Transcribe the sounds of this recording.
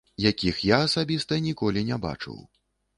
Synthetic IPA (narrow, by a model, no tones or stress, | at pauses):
jakʲixjaːsabʲist̪ɐnʲikɔlʲinʲɛba̰t͡ʂɨ̰w